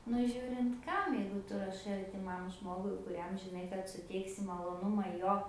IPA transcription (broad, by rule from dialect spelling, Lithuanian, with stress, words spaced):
nʊ ˈʒʲuːrʲɪnt ˈkɐm jɛɪɡʊ ˈtʊ rɐˈʃɐɪ ɐrʲtʲɪˈmɐm ˈʒmoːɡʊɪ kʊˈrʲɛm ʒʲɪˈnɐɪ kɐt sʊˈtʲɛɪksʲɪ mɐlˠoːˈnʊmɐ ˈjoː